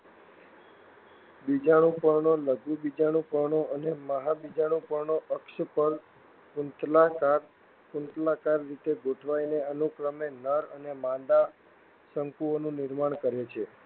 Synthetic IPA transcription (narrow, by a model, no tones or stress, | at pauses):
bid͡ʒaɽ̃ũpəɾɳoləɡubid͡ʒaɽ̃ũpəɾɳoʔəneməɦabid͡ʒaɽ̃ũpəɾnoʔəkʃəpəɾ | kunt̪lakaɾ | kunt̪lakaɾːit̪eɡʱoʈʰʋaineənukɾəmenəɾənemãnd̪a | səŋkuonũnɪɾmaɳ̃kəɾet͡ʃʰe